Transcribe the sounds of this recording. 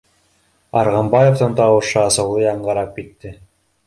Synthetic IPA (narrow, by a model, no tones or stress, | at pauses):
ɑ̰ɾʁɑmbɑjoft̪ɑnt̪ɑwɤ̆ʃɤɑsɤ̆wlˠɤjɑɴɢɑɾɑp̚kit̪ːɘ